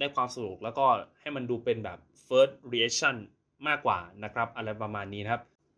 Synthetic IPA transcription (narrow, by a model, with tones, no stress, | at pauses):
daː˥˩jkʰwaː˧msa˧du˨˩k̚lɛː˦˥wkɔː˥˩ha˥˩jma˧nduː˧pe˧nbɛ̰ː˨˩p̚ | fɤː˦˥t̪̚ɾi˧ʔe˦˥k̚t͡ɕʰa˥˩n | maː˥˩kːwa̰ː˨˩na˦˥kʰɾa˦˥p̚ʔa˧ɾa˧jpɾa˧maː˧nːiː˦˥kʰa˦˥p̚